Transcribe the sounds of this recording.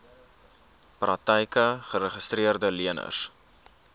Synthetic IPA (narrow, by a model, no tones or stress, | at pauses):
prɐk̚təjkəχəɾəχəstriərdəliənə̰rs